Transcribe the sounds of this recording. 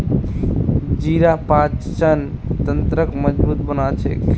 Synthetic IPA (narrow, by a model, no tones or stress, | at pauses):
d͡ʒiɾapãt͡ʃt͡ʃənt̪ənt̪ɾəkməd͡ʒbut̪̚bənalt͡ʃʰɛ̰